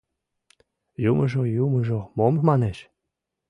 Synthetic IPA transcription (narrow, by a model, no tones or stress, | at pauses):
juməʒojumə̆ʒomommɑneʃ